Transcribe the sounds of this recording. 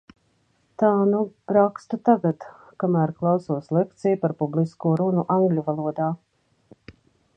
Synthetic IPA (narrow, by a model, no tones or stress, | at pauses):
t̪aːnupɾakst̪ut̪aɡat̪ | kamæːɾklˠawsuɔslˠek̚t̪sijpaɾpubliskuɔɾunuʔaŋɡlʲuvalˠuɔd̪aː